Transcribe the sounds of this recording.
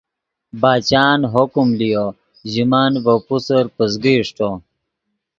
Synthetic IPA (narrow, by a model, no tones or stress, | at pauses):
baːt͡ɕaːnɦokumlijo | ʑimaːnvɐpusɐɾpəzɡiːʂʈo